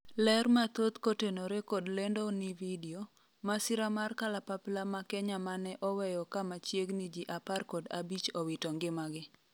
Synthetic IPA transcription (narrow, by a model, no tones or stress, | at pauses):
lɛrmat̪ot̪kotenoɾekodlendonividio | masiɾamarkalapaplamakɛɲamanɛʔɔwɛjɔkamat͡ʃjeɡnid͡ʒiʔaparkoda̰bit͡ʃowitoŋɡɪmaɡɪ